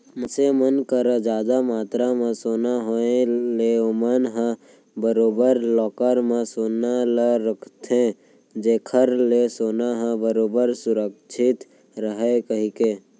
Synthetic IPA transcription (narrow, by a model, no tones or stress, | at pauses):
məsemənkəɾəd͡ʒaːd̪amaːt̪ɾamẽsoːnaɦoẽleomənɦə̃ | bəɾoːbəɾlɔːkəɾmẽsoːnaləɾəkʰt̪ʰẽ | d͡ʒeːkʰəɾlesoːnaɦə̃bəɾoːbəɾsʊɾəkt͡ʃʰɪt̪ | ɾəɦekəɦikeː